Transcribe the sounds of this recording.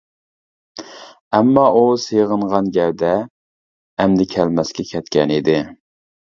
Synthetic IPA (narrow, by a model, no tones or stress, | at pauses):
ɛmːɑʔusejʁəɴʁɑnɡʲɛwd̪ɛː | md̪ɪkʲʰɛlmɛskʲɛkʲʰɛt̪kʲɛnid̪ɪ